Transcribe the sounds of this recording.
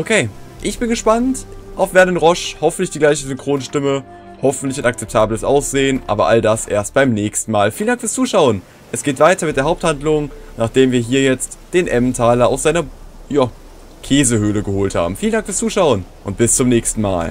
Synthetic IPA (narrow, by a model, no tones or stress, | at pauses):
ʔokʰeːʔɪçb̥ɪnɡəʃpantʔaʊfv̥ɛɐnɪnʁɔʃhɔfn̩tlɪçd̥iːɡlaɪçəzʏŋkʁ̥oːnʃtɪmə | hɔfn̩tlɪçʊntak̚t͡sɛp̚tʰaːbləsʔaʊsz̥eːənʔa̰ːbɐʔaldasʔḛːɐst̚b̥aɪmnɛːçstn̩maːlfiːlənd̥aŋkfyɐst͡suːʃaʊən | ʔɛsɡ̥eːtv̥aɪtɐmɪt̚d̥eːɐɦʊp̚thandlʊŋnaːχd̥eːmviːɐɦiːɐjɛt͡std̥eːnʔɛmtʰaːlɐa̰ʊsz̥aɪnɐ | jaː | kʰeːzəhøːləɡəhoːltha̰ːbm̩fiːlən̩daŋkfyːɐst͡suːʃaʊənʔʊntb̥ɪst͡sʊmnɛːçstn̩ma̰ːl